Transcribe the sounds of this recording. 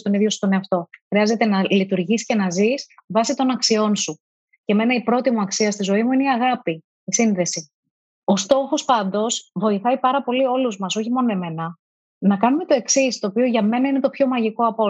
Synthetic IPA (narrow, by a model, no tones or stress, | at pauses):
st̪oniðjo̞su̥t̪oneɐft̪o̞xɾiɐze̞t̪e̞nɐlit̪uɾʝisce̞nɐzisvɐsit̪o̞nɐksio̞nsu | ce̞me̞nɐipɾo̞t̪imuɐksiɐst̪izo̞imuine̞iɐɣɐpiː | sinðe̞si | o̞st̪o̞xo̞spɐnd̪o̞svo̞iθɐipɐɾɐpo̞lio̞luzmɐso̞çimo̞noeme̞nɐ | nɐkɐnume̞t̪o̞e̞ksist̪o̞ːpio̞ʝɐme̞nɐine̞t̪o̞pço̞mɐʝiko̞ɐpo̞